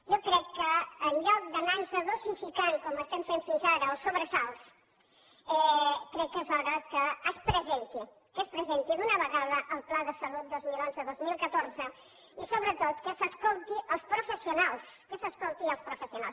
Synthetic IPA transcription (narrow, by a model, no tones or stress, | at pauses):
ʒokɾɛkːəːnʎɔk̚d̪ənanzəðosifikaŋkɔməst̪ɛmfeɱfinzaɾəosoβɾəsalˠs | ɛkɾɛkːezɔɣəkəːspɾəzɛnt̪i | kəspɾəzɛnt̪iðunəβəɣaðəʔəlˠplaðəsəlut̪̚d̪ozmilˠonzəðozmilˠkət̪oɾzə | isoβɾət̪ot̪kəsəskolˠt̪iʔəlˠspɾofəsiunalˠskəsəskolˠt̪inəlˠspɾufəsiona̰lˠs